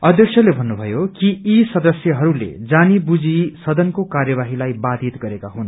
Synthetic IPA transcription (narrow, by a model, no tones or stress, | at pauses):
ʌd̪ʱjʌksʰjʌlebʱʌnːubʱʌjokiisʌd̪ʌsjʌɦʌɾulḛd͡zanibud͡zisʌd̪ʱʌnkokarjʌbaɦilajbad̪ʱit̪ɡʌɾekaɦun